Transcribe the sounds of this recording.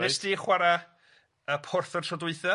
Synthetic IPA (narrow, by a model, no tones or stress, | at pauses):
ɛsdiːχwaɾa | əpʰʊrθərtʰrɔdwɨθɔ